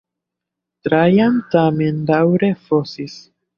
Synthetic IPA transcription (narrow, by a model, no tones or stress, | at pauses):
tɾajantamendawɾe̞fosis